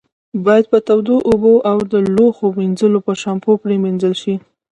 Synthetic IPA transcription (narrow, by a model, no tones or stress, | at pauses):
bɑjad̪̚pət̪awd̪oʔoboʔawd̪əloxomind͡zəlopəʃɑmpopɾeminzəlʃi